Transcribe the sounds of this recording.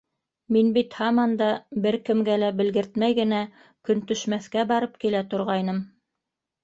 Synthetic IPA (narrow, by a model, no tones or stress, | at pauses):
minbit̪hɑmɑnd̪ɑbɘɾkɘ̆mɡælæbɘ̆lɡɘ̆ɾt̪mæjɡɘ̆næ | kɵnt̪ɵ̆ʃmæθkæbɑɾɤp̚kilæt̪ŏɾʁɑjnɤm